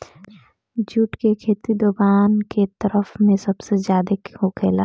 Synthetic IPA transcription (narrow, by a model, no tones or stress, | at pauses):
d͡ʒuːʈkekʰeːt̪id̪oːɡaːnket̪əɾəpʰmẽsəbsezjaːd̪ekɦokʰeːlaː